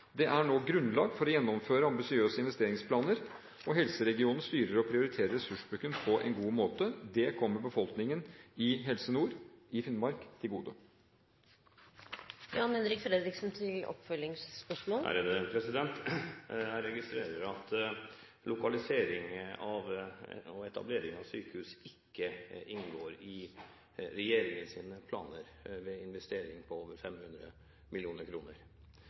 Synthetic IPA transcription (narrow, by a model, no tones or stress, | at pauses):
d̪ɛʔæɳoːɡɾʉnlɑːɡfɔɾɔjɛnːɔmføːɾəɑmbɪsɪøːsəɪnʋɛst̪eːɾɪŋspʰlɑːnəɾ | ɔɦɛlsəɾɛɡɪuːnn̩st̪yːɾəɾɔpʰɾɪʊɾɪt̪ʰeːɾəɾɛsʉʂbɾʉkːənpʰɔʔɛ̰nɡuːmoːt̪əd̪ɛkʰɔmːəɾbəfɔlknɪŋənɪɦɛlsənuːɾɪfɪnmɑɾkt̪ʰɪlɡuːd̪ə | jɑːnhɛnɾɪkfɾed̪ɾɪksn̩t̪ʰɪlɔ̰pfœlɪŋspœʂmoːlhæ̰ɾəd̪pʰɾɛsɪd̪ɛnt̪ | ɾɛɡɪst̪ɾeːɾəɾɑt̪ | lʊkɑlɪseːɾɪŋɑʋɔɛt̪ɑ̰bleːɾɪŋɑʋsyːkəhʉːsɪkːəʔɪnɡoːɾɪ | ɾɛjeːɾɪŋənsiːnəpʰlɑ̰ːnəɾʋɛɪnʋɛst̪eːɾɪŋpʰɔoːʋəɾfɛmhʉnd̪ɾə̰ | mʔɪlɪuːnəɾkʰɾuːnəɾ